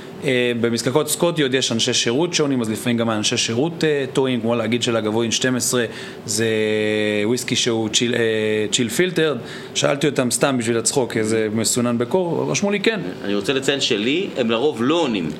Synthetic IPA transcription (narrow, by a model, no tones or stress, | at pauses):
ebe̞miskako̞tskot̪iotjeʃanʃeʃeʁutʃonimazlifamimɡamaːnʃeʃeʁut̪etoimkmo̞leaɡid̪ʃelaɡavoinʃte̞mesʁe̞ | ze | wiskiʃeut͡ʃiet͡ʃilfilte̞ʁd̪ | ʃaa̰lt̪io̞t̪amst̪ambiʃvilat͡sχo̞kezemesunanbekoʁʁa̰ʃmulikena̰niʁot͡selet͡saelʃeliemlaʁo̞vloonim